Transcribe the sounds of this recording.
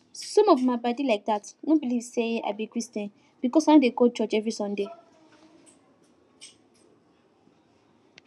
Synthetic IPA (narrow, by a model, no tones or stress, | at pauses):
sɔ̃mɔvmãbadilaɪk̚datnõbilivseʔa̰bikɹistɛ̃n | b̥ikɔsãdekot͡ʃɔt͡ʃɛvɹisɔ̃nde